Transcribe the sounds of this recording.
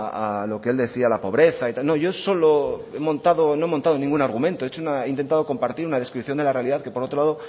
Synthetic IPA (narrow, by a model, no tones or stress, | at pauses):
alo̞keeld̪e̞θialapo̞βɾe̞θait̪alno̞ʝo̞so̞loemõ̞nt̪aðono̞e̞mõnt̪aðo̞nĩŋɡunaɾɣumẽnt̪oet͡ʃounaeint̪e̞nt̪aðo̞ko̞mpaɾt̪iɾunað̞e̞skɾipθjo̞nd̪e̞lare̞aliðaðke̞poɾo̞t̪ɾo̞laðo